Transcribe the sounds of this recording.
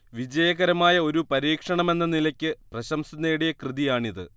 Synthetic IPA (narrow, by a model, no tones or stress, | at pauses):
ʋid͡ʑɐjɐɣɐɾɐmaːjɐo̞ɾupɐɾiːkʂɐɳɐme̞nːɐnilɐkʲːɨprɐɕɐmsunːeːɽijɐkrɨðijaːɳiðɨ̰